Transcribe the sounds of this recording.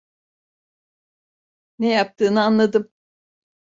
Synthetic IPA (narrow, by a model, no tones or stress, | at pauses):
nɛjap̚t̪ʰɯːnɯanlˠad̪ɯm